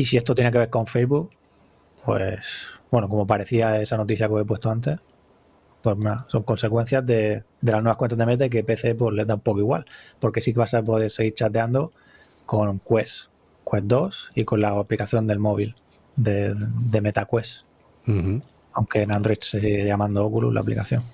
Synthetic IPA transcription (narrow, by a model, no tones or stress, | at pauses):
isiest̪ojenekeβeɾko̞ɱfejzβuk | pwḛsbwe̞noko̞mop̬aɾe̞θiaesano̞t̪iθjakeepwe̞st̪o̞ant̪̬e̞s | pwe̞smaso̞ŋko̞nse̞kwe̞n̟θjazðe̞ | d̪e̞lanwehkwent̪azðemet̪̬aik̬e̞peθe̞p̬we̞zle̞zðaumpokoiɣwa̰lpo̞ɾke̞sik̬eβasapo̞ðe̞ɾse̞ɣiɾt͡ʃat̪eand̪o̞ | ko̞ŋkwe̞s | kwesd̪o̞siko̞laaplikaθjo̞nd̪e̞lmo̞β̞il | d̪ed̪e̞met̪akwe̞s | awŋke̞nand̪ɾo̞jt̪ses̬iɣeʝamãnd̪ookulṵsla̰plikaθjo̞ŋ